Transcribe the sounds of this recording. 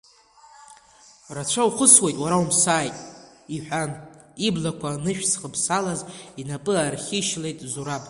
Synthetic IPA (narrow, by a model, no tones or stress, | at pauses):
rat͡ʃʷʰawχʷʊswe̞jtʼwaɾaumsaːjtʼ | iħʷᶣaniblakʷʰanɨʃᶣsχəbsalazinapʼɨarχʲɪʃle̞jtʼzuɾabʼ